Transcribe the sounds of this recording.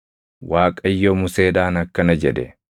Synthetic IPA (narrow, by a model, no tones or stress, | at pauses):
waːkʼɐjːomʊse̞ːdaːnɐkːɐnɐd͡ʒɛᶑɛ